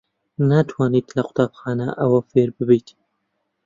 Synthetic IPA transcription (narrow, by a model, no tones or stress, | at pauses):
nat̪ʰwɑːnit̪lɐqʊ̥t̪ɑːbxɑːnɐ̰ʔɐwɐfeɾbɨbit̪